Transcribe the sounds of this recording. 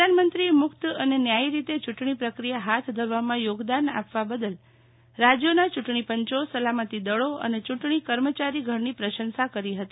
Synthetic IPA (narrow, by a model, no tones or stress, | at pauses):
əd̪ʱanmənt̪ɾimʊkt̪ənenjaiɾit̪et͡ʃʊʈɳ̃ipɾəkɾijaɦat̪ʰd̪ʱəɾʋamãjoɡd̪ana̰pʋabəd̪əl | ɾad͡ʒjonat͡ʃʊʈɳipəɲt͡ʃosəlamət̪id̪əɭoə̰net͡ʃʊʈɳ̃ikəɾmət͡ʃaɾiɡʱəɾnipɾəʃənsakəɾiɦət̪i